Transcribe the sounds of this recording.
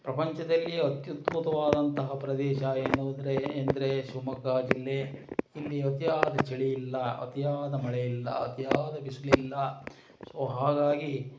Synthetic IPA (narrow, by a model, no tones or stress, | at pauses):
pɾɐpɐɲt͡ʃɐd̪ɐlːiɐt̪jut̪but̪ɐʋaːd̪ɐnt̪ɐɦɐpɾɐd̪ɛːʃɐeːnuːd̪ɐɾeːnd̪ɐɾeʃumɐkaːd͡ʒilːeilːiɐt̪jaːd̪ɐt͡ʃiɭijilːɐɐ̰t̪jaːd̪ɐmɐɭejilːɐ̰ɐ̰t̪jaːd̪ɐbisɐlilːɐ | soɦaːɡaːɡi